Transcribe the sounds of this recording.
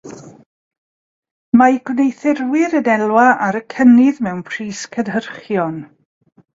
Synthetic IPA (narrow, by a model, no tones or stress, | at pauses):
maɡwnejθɪrwɪɾənɛlˠwaʔaɾəkʰənɪðmɛwnpʰr̥iːskʰənɦərχjɔn